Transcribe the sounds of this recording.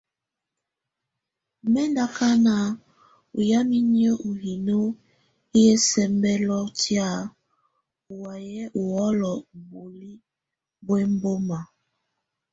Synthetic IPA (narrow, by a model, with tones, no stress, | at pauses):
mɛ˦nda˦ka˦na˨ | ṵ˨ja˦mi˦ni˦ɔ˦ʔu˨hi˨no˦ | i˦jɛ˦sɛ˨mbɛ˦lɔ˦ti˦a˦˨ | u˨wa˨jɛ˦ʔu˨wɔ˦lɔ˨bu˨li˦ | bwɛ˦m˦bo˦ma˨